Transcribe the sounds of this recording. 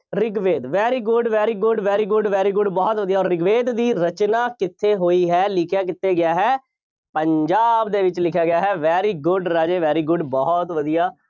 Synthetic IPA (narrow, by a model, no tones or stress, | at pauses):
ɾɪɡʋeːd̪ʋɛːɾiːɡʊɖʋɛːɾiːɡʊɖʋɛːɾiːɡʊɖʋɛːɾiːɡʊɖbɔːt̪ʋəd̪ijaɔːɾːɪɡʋeːd̪d̪iːɾət͡ʃnaːkɪt̪ʰːeːɦoːiːɦɛːlɪkʰjaːk̬ɪt̪ʰːeːɡɪjaːɦɛː | pəɲd͡ʒaːbd̪eːʋɪt͡ʃlɪkʰjaːɡɪjaːɦɛːʋɛːɾiːɡʊɖɾaːd͡ʒeːʋɛːɾiːɡʊɖbɔːt̪ʋəd̪ijaː